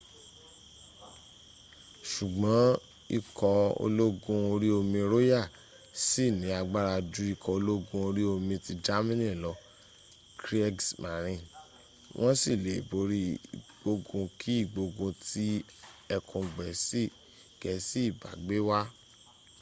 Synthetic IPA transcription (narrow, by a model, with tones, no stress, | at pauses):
ʃu˨ɡ͡bɔ̃˨˦ | i˧kɔ˧o̰˧lo˦ɡũ˧o˧ɾi˦o˧mĩ˧ɾo˦ja˦˨ | si˦˨nĩ˨˦a˧ɡ͡ba˦ɾa˧d͡ʒu˦i˦˧kʰɔ˧o˧lo˦ɡũ˧o˧ɾi˦o˧mĩ˧ti˧d͡ʒa˦mĩ˦nĩ˦˨lɔ˧ | kɾi˦ɡsma˨ɾ̃ĩ˧ | wʔɔ̃˦si˦˨le˨i˨bo˨˦ɾi˦ɡ͡bo˧ɡũ˧kʰi˦i˦˨ɡ͡bo˧ɡũ˧ti˦ | ɛ˧kʰũ˧ɡ͡bɛ˨si˦ | ɡ̥ɛ˨si˦i˦˨ba̰˨ɡ͡be˦wa˦